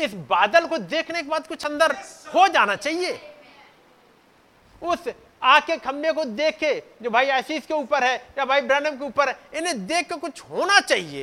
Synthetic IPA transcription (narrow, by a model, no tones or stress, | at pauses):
ɪsbaːd̪əlkod̪eːkʰnekebaːd̪̚kʊt͡ʃʰɐ̃nd̪əɾhod͡ʒaːnat͡ʃaːɦieː | ʊs | aːkekʰɐ̃mːekod̪eːkʰːed͡ʒoːbʱaːiaːsiːskeuːpəɾɦɛjabʱaːibɾɛ̃ːnəmk̬euːpəɾɦɛɪnẽd̪eːkʰːekʊt͡ʃʰɦoːnat͡ʃaːɦiḛː